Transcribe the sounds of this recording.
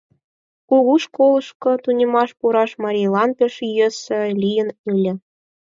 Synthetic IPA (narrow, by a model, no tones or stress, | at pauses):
kuɣuʃkolˠɤ̆ʃkɤ̆t̪unʲĕmɑʃpuɾɑʃmɑɾʲijlˠɑnpʲĕʃyjesɘ̆lʲijə̆nɯlʲɘ̆